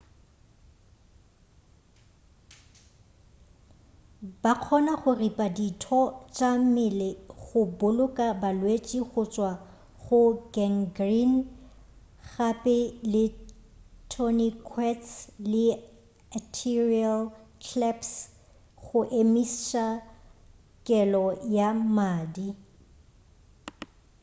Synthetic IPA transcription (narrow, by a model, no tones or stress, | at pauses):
baq͡χʰɔnaχʊripʼaditʰɔt͡ʃʼamɪleɣʊbʊlʊkʼabalwet͡ʃʼiχʊt͡ʃʼwa | χʊɡɛŋɡrin | χapʼɪlɪ | tʰɔnikʰwɛtslɪ | atʰirialkʰlɛps | χʊʔemist͡ʃa | kʼɛlɔjamaːdi